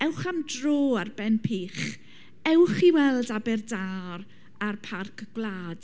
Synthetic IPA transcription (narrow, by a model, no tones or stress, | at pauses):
ɛwχamdroːarbɛnpʰiːχ | ɛwχiwɛlˠdabɛrdaɾ | arpʰarkʰɡ̥lˠaːd̥